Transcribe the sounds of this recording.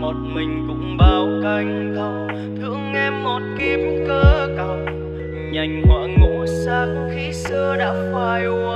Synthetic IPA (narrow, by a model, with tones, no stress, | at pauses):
mo˨˩t̚mï˨˩ŋ̟kʊ̰˧˥ŋ͡mɓaː˨˧˩wka˧jŋ̟ | t̪ə˧ŋ͡m | t̪ʰɨ̰˧˨əŋʔɛ˧mːo˨˩t̚ki˧˥p̚kəː˧kə˧˩ŋ͡m | ɲa˧˩jŋ̟kwa̰ː˧˨ŋṵ˧˥saː˧kxi˧sɨ˧əɗa̰ː˧˥faː˧˩jʔu˧